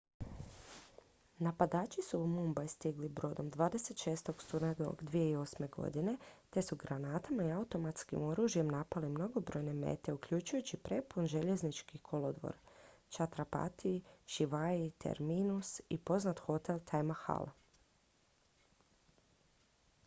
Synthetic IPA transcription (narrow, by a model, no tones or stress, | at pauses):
napad̪aːt͡ʃisuːmumbajst̪iɡlibɾo̞ːd̪o̞md̪ʋaːd̪e̞se̞t̪ʃeːst̪o̞ɡst̪unad̪o̰ɡd̪ʋije̞io̞sme̞ɡo̞̰d̪ine̞t̪e̞suɡɾanaːt̪amaiaut̪o̞mat̪skḭmo̞ɾuʒje̞mnapalimno̞ɡo̞bɾo̞jne̞me̞̰t̪e̞ukʎut͡ʃujut͡ɕipɾe̞punʒe̞ʎe̞znit͡ʃkikʰo̞lod̪ʋo̰ɾ | t͡ʃat̪ɾapa̰t̪ʰiʃiʋait̪ʰḛɾminusipo̞znat̪xo̞t̪e̞lt̪ʰajmaxa̰la